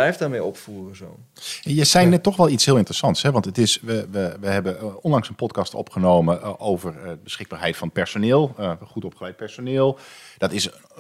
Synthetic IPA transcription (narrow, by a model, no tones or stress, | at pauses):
lɛjfdaːmejɔpfuːrəzoːn | ɛjəsɛjnɛtːɔxʋɛlˠitsɦiːlˠɪntərəsɑntshɦɛʋɑntətɪsʋəʋəʋəɦɛbəɔnlɑŋsənpɔtkɑstɔ̰pχənowməʔoːvərdəbəsχɪɡ̚baːrɦɛjtfɔnət̚pɛrsonɪːlˠχutɔpχəlɛjt̚pɛɹsonɪːlˠd̥ɔtɪs